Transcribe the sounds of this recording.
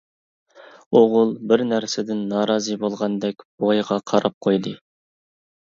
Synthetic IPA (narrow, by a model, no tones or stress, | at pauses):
oʁʊlˠbɪɾnæɾsɪd̪ɪnːɑːɾɑːzɨbolˠʁɑnd̪ɛkʲb̥ojʁɑqʰɑɾɑp̚qʰojd̪ɨ